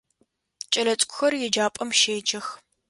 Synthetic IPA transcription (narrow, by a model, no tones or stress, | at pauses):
t͡ʃʼɐlɐt͡sʼkʷʰʼʊxɐrjɪd͡ʒaːpʼɐmʃeːd͡ʒɐx